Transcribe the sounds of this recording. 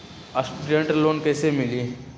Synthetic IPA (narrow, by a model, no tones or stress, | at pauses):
ɐsʈuɖɾẽɳʈəloːnkɛːsemɪliː